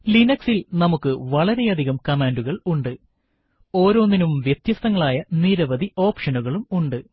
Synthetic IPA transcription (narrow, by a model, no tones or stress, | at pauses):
linɐksilnɐmukːɨʋɐɭɐɾe̞jɐd̪ʱiɣɐmkɐmaːnduɣɐɭuɳɖɨ | o̞ːɾo̞ːnːinumʋjet̪jɐst̪ɐŋːɐɭaːjɐniɾɐʋɐd̪ʱiʔo̞ːpʂɐnuɣɐɭumuɳɖɨ